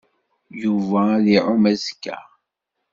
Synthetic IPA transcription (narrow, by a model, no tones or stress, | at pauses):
juvæðiʕʊmæzkːæ̰